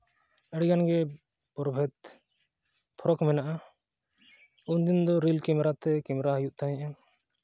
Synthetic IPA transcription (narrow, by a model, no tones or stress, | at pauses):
əɽɡanɡɛ | pɔɾbʱɛt̪ | pʰɔɾɔkmɛnaʔa | und̪ind̪ɔɾilkimɾat̪ɛkimɾaɦəjuʔt̪ajɛ̃ʔan